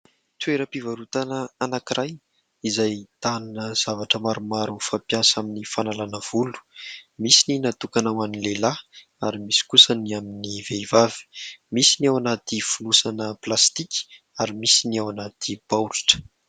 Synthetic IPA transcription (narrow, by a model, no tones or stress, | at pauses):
t̪weɾəpivaɾut̪anəanakiɾʔaj | izajt̪anunəz̥avaʈ͡ʂəmaɾumaɾufapjasaminifanalanəv̥ulu̥misininat̪ukanawaninlela | aɾimisi̥kusəniaminiveivavi̥misiniawanat̪ifunusanəplast̪ikʲi̥ | aɾimisiniawanat̪ʰipawliʈ͡ʂə̥